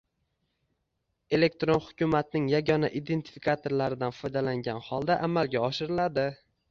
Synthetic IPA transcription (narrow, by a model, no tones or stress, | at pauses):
e̞le̞k̚t̪ɾonhʊkʲʰʊmat̪nɪŋjaɡʲɒnaʔid̪e̞nt̪ʰɪ̥fikʰat̪ʰoɾlaɾɪd̪anfɒjd̪alaŋɡʲanhɒlˠd̪aʔamalɡʲaɒʃɪɾɪlad̪ɪ